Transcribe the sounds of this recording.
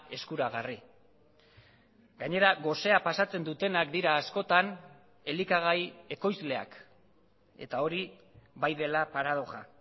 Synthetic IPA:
e̞skuɾaɣ̞ari | ɡaɲe̞ɾaɣo̞se̞apasat͡se̞nd̪ut̪e̞nakd̪iɾaːsko̞t̪an | e̞likaɣ̞aje̞ko̞jzle̞a̰k | e̞̰t̪ao̞ɾiβajðe̞lapaɾað̞o̞ʝa

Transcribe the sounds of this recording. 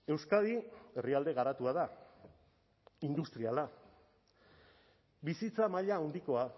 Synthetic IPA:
e̞wskað̞ie̞riald̪e̞ɣaɾat̪uaða | ind̪ust̪ɾiala | bisit͡samaʎaːwnd̪iko̞a

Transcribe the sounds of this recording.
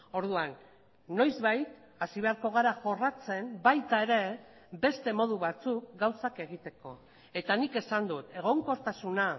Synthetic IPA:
o̞ɾðuanː | o̞jzβajt̪ | asiβe̞aɾko̞ɣ̞aɾaʝo̞rat͡se̞mbajt̪ae̞ɾe̞ | be̞st̪e̞mo̞ð̞uβat͡suk̚ɡawsake̞ɣit̪e̞ko̞ | e̞t̪anike̞sand̪ut̪e̞ɣ̞o̞ŋko̞ɾt̪asuna

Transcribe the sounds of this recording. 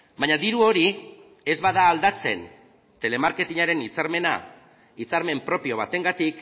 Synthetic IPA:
baɲaðiɾuo̞ɾi | e̞zβaðaːld̪at͡se̞̰n | t̪e̞le̞maɾke̞t̪iɲaɾe̞nit͡saɾme̞na̰ | it͡saɾme̞mpɾo̞pio̞βat̪e̞ŋɡat̪ik

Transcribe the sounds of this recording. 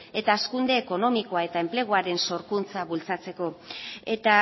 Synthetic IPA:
e̞t̪aːskund̪e̞ːko̞no̞miko̞ae̞t̪ae̞mple̞ɣ̞oaɾe̞nso̞ɾkunt͡saβult͡sat͡se̞ko̞e̞t̪a

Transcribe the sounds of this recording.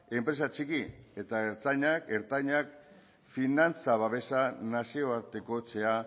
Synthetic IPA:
e̞mpɾe̞sat͡ʃikie̞t̪aeɾt̪aɲakeɾt̪aɲak̚ | finant͡saβaβe̞sanasio̞aɾt̪e̞ko̞t͡se̞a

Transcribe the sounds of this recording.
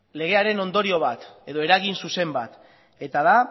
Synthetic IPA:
le̞ɣ̞e̞aɾe̞no̞nd̪o̞ɾio̞β̞at̪e̞ðo̞e̞ɾaɣinsuse̞mba̰t̪ | e̞t̪aða

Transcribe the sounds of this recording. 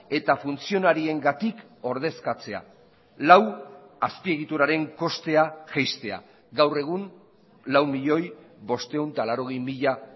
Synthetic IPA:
e̞t̪afunt͡sio̞naɾie̞ŋɡat̪ik | o̞ɾð̞e̞skat͡se̞a̰ | law | aspie̞ɣ̞it̪uɾaɾe̞ŋko̞st̪e̞aʝajst̪e̞a̰ | ɣawre̞ɣ̞un | lawmiʎo̞j | βo̞st̪e̞unt̪alaɾo̞ɣ̞ejmiʎa

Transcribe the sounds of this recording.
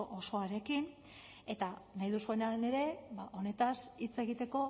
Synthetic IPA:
ʔoso̞aɾe̞kin | e̞t̪anajðusue̞naene̞ɾe̞baʔo̞ne̞t̪asit͡se̞ɣ̞it̪e̞ko̞

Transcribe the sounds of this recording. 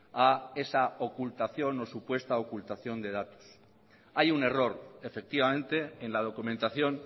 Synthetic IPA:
ae̞saokult̪aθjo̞no̞supwe̞st̪aokult̪aθjo̞nd̪e̞ð̞at̪o̥s | ajune̞ro̞ɾe̞fe̞k̚t̪iβamẽ̞nt̪e̞ːnlað̞o̞kumẽ̞nt̪aθjo̞n

